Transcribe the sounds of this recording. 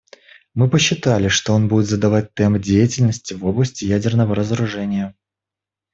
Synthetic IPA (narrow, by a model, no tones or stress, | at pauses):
mɨpəɕːɪt̪alʲɪʂt̪o̞o̞nbudʲɪt̪zəd̪ɐvat̚ʲt̪ɛmdʲejɪtʲɪlʲnəsʲtʲɪvo̞blˠəsʲtʲɪjædʲɪrnəvəɾəzəɾʊʐɛnʲɪjə